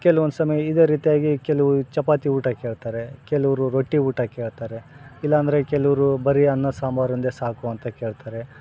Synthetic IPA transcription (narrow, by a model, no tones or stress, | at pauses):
kɛluʋond̪sɐmɐjɐid̪e̞ːɾiːt̪ijaːɡikɛlɐʋt͡ʃɐpaːt̪iuːʈɐkeːɭt̪aːɾe̞kɛlɐʋɾuɾoʈːiuːʈɐkeːɭt̪aːɾeilːɐːnd̪ɐɾe̞kɛlɐʋɐɾubɐɾiɐnːɐsaːmaːɾɐnd̪esaːkuɐnt̪ɐkeːɭt̪aːɾe̞